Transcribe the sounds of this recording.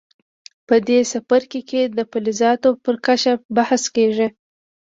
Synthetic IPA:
pəd̪esafaɾkeked̪əpalɪzɑt̪opəɾkat͡ʃabahskeʒi

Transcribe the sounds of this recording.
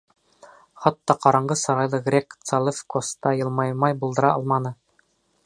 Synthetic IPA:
χɑt̪ːɑqɑɾɑɴɢɤsɑɾɑjlˠɤɡrʲekt̪salˠefkost̪ɑjɤ̆lˠmɑjmɑjbulˠd̪ɤ̆ɾɑɒlˠmɑnɤ

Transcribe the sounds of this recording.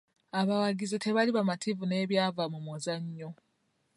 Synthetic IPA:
aβawaɡizite̞βaliβamatʰivune̞ːβjaːvamumozaɲːo

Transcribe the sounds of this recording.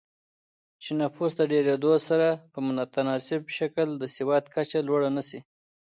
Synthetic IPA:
t͡ʃenafusd̪əɖeɾed̪osaɾapəmʊnat̪anɑsɪbʃakld̪əsɪwɑt̪kat͡ʃalwaɽanasi

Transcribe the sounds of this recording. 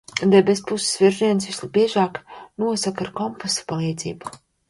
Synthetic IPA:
d̪ɛbespusɪ̥svʲiɾʒiɛnsvislˠibiɛʒaːknuɔsakaɾkɔmposḁpalˠiːd̪zḭːbu

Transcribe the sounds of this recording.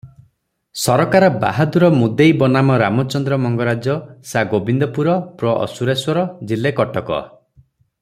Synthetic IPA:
sɔɾɔkaɾɔba̰ɦad̪uɾɔmud̪ejbɔnamɔɾamɔt͡ʃɔnd̪ɾɔmɔŋɡɔɾad͡ʒɔsaɡobind̪ɔpuɾɔpɾɔʔɔ̰suɾeswɔɾɔd͡ʒilekɔʈɔkɔ̰

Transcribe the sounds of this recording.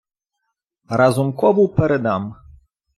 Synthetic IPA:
ɾazumkɔvuwpɛɾɛd̪am

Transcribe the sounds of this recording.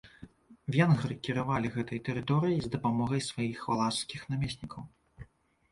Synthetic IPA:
vʲenɣɾɨkʲiɾavalʲiɣɛt̪ɐjt̪ɛɾɨt̪ɔɾɨjizd̪ɐpamɔɣɐjsvajixalˠaskʲixnamʲesʲnʲikʰɐw

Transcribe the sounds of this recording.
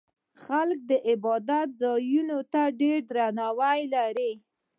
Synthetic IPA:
xalk̚d̪əʔɪbɑd̪at̪̚zɑjunot̪aɖeɾd̪ɾanawajlaɾi

